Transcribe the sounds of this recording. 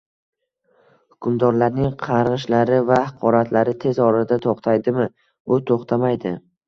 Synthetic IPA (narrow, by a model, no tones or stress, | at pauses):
hʊ̥kʰʲʊmd̪ɒɾlaɾnɪŋqʰɑɾʁɨʃlaɾɪvahɑqʰɒɾat̪ʰlaɾɪt̪ʰe̞zɒɾad̪at̪ʰoqt̪ʰajd̪ɪmɪ | ʊt̪ʰoχt̪ʰamajd̪ɪ